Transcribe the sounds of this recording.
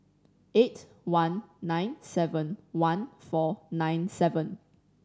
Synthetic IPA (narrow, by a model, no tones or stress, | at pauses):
ʔet | wãnːãɪ̃nsɛvə̃nwãnfɔnãɪ̃nsɛvə̃n